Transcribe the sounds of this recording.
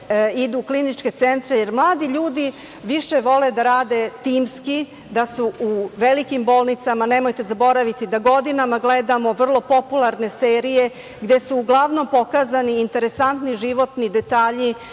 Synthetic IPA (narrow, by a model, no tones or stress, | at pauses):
id̪uklinit͡ʃke̞t̪sent̪ɾejeɾmlˠaːd̪iʎuːd̪i | ʋiʃe̞ʋo̞le̞d̪aɾaːd̪e̞t̪iːmski | d̪asuuʋelikimbo̞ːlˠnit̪samane̞mo̞jt̪e̞zabo̞ɾaʋit̪id̪aɡo̞d̪inamaɡled̪amo̞ʋr̩lˠo̞po̞pulˠaɾne̞seːɾije̞ | ɡd̪e̞suːɡlˠaʋno̞mpo̞kaːzaniːnt̪e̞ɾesant̪niʒiʋo̞t̪nid̪e̞t̪aːʎi